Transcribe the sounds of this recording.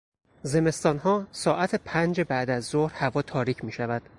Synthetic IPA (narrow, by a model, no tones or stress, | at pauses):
ze̞me̞st̪ɒːnɦɒːsɒːʔæt̪ʰepʰænd͡ʒebæʔd̪æzːohɾhævɒːt̪ʰɒːɾiːcʰmiːʃævæd̪̥